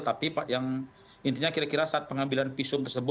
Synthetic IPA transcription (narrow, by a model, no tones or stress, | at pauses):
ət̪apipajaŋ | int̪iɲakiɾakiɾasaːt̪̚pəŋambilanpisʊmt̪ərsəbʊ